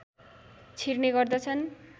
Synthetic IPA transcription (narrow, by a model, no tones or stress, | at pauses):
t͡sʰirneɡʌrd̪ʌt͡sʰʌn